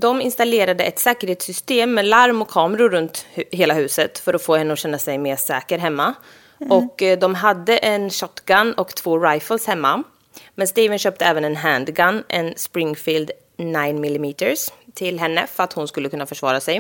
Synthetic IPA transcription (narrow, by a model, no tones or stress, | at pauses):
d̪ɔmɪnst̪aleːɾad̪əʔɛt̪sɛːkəɾheːt̪sʏst̪eːmːɛlaɾmɔkʰːɑːməɾʊɾɵnt̪ɦeːlaɦʉ̟ːsət̪fœɾɔfoːhɛnːəɔɕɛnːasɛjmeːʂɛːkəɾɦɛmːa | ɔkːd̪ɔmɦad̪ːəʔɛnɕɔt̪ːɡanːɔkt̪ʰv̥oːɾajfəlshɛmːa | mɛnst̪iːvənɕøːp̚t̪əɛːvənɛnɦænd̪ɡanːʔɛ̰nspɾɪŋfiːld̪ | naɪnmɪlːɪmiːt̪əɾst̪ʰɪlɦɛnːə̰fœɾat̪hʊnskɵlːəkʰɵnːafœʂvɑ̰ːɾasɛj